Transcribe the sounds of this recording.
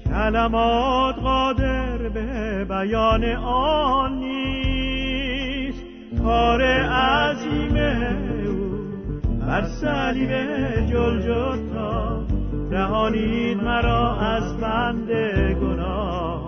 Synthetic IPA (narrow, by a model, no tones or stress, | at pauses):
cʲʰælæmɒːt̪ɣɒːd̪e̞ɾbebæjɒːneʔɔnːi | s | kʰɒːɾeæziːmeu | bæɾsæliːbed͡ʒold͡ʒot̪ʰːɒː | ɾæɦɒːnid̪mæɾɒːæzbænd̪eɡonɒː